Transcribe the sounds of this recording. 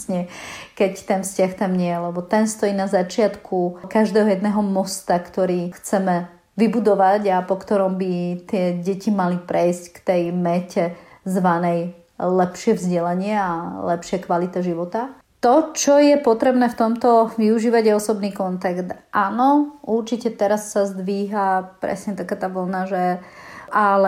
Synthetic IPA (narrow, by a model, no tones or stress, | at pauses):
sɲɛkɛct̪ɛnfscaxt̪amɲɪɛjɛlɛbɔt̪ɛnst̪ɔjiːnazat͡ʃɪat̪kʰukaʒd̪ɛːɦɔjɛd̪nɛːɦɔmɔst̪akt̪ɔɾiːxt͡sɛmɛ | ʋibud̪ɔʋaɟapɔkt̪ɔɾɔmbit̪ɪɛɟɛcimalipɾʔɛjsckt̪ɛjmɛcɛzʋanɛj | lɛpʃɪɛʋzɟɛlaɲɪɛalɛpʃɪɛkʋalit̪ɛʒiʋɔt̪a | t̪ɔt͡ʃɔjɛpɔt̪ɾɛbnɛːft̪ɔmt̪ɔʋiuʒiːʋaɟɛɔsɔbniːkɔnt̪akt̪ʔaːnɔuɾt͡ʃicɛt̪ɛɾasːazd̪ʋiːɦapɾɛ̰sɲɛt̪akaːt̪aːʋɔlnaʒɛʔalɛ